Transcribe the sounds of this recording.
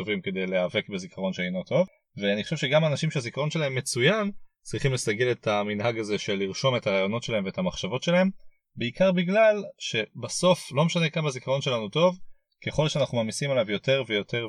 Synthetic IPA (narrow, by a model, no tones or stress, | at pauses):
tovimke̞d̪ejleave̞kbezikʰaʁo̞nʃeejnot̪ʰo̞v | veaniχoʃevʃe̞ɡamaːnaʃimʃeazikaʁo̞nʃe̞lahe̞mːet͡sujan | t͡sʁiχimlestaɡe̞le̞tʰaminɦaɡazeʃe̞lːiʁʃo̞me̞taʁaːjo̞no̞tʃe̞lae̞mveethamaχʃavo̞tʃe̞lahe̞m | beikaʁbiɡlalʃe̞baso̞flo̞meʃanekambezikaʁo̞nʃe̞lanuto̞v | ke̞χo̞lʃeanaχnumamisimalavjo̞te̞ʁvejo̞tʰe̞ʁ